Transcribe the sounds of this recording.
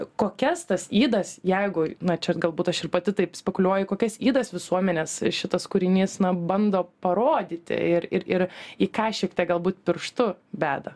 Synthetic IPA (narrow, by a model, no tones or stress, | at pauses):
koːkʲɛst̪ɐsiːd̪ɐsjɛɪɡʊnɐt͡ʃʲɛɡɐlˠbuːt̪ɐʃɪrpɐt̪ʲɪt̪ɐɪpsʲpʲɛkʊlʲuɔjʊkoːkʲɛsiːd̪ɐsʋʲɪsuɔmʲɛnʲɛsʃʲɪt̪ɐskʊɾʲɪnʲiːsnɐbɐnd̪oːpɐɾoːd̪ʲiːt̪ʲɪ̰ɪɾɪɾɪɾiːkɑːʃʲiktʲɛɡɐlˠbuːt̪̚pʲɪɾʃt̪ʊbʲæːd̪ɐ